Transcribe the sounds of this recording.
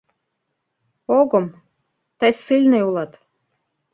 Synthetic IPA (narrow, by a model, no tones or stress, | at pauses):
oɣɤ̆m | t̪əjsɨlʲneulɑt̪